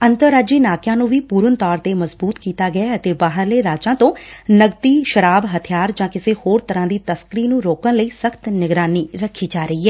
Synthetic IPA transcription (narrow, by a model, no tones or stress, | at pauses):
ənt̪əɾːaːd͡ʒiːnaːkjãːnũːʋiːpuːɾənt̪ɔːɾt̪eːməzbuːt̪kiːt̪aːɡɪaːət̪eːbaːɦəɾleːɾaːd͡ʒãːt̪õːnəɡt̪iːʃəɾaːbɦət̪ʰijaːɾd͡ʒãːkɪseːhoːɾt̪əɾãːd̪iːt̪əskɾiːnũːɾoːkənləiːsəkt̪nɪɡɾaːniːɾəkʰːiːd͡ʒaːɾəiːɦɛː